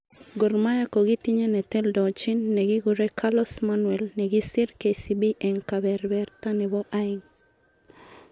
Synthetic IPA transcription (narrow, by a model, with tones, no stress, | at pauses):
ɡo˨rma˦ja˦kɔ˨ɡi˦t̪iɲe˦nɛ˨t̪ɛ˦ldɔ˨t͡ʃɪ˦nːɛ˨ɡɪ˦ɡʊ˨ɾɛ˦kʰalɔ˦smanwɛ˨lnɛ˨ɡɪ˦sɪ˦rke˨si˨bi˦ʔɛ˨ŋka˨bɛ˨ɾbɛrt̪a˦nɛ˨bɔ˦ʔaɪŋ